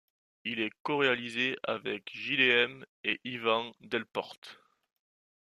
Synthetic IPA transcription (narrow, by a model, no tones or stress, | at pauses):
ilɛkɔʁealizea̰vɛkʒileɛm | eʔivɑ̃d̪ɛlpɔ̰ʁt̪